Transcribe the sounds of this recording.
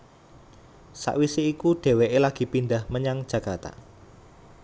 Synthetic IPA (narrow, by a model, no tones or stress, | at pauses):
sa̰ʔwiseikuɖ̥e̤weʔelaɡ̥i̤pind̪ahməɲaŋd̥ʒ̥ä̤kart̪a̰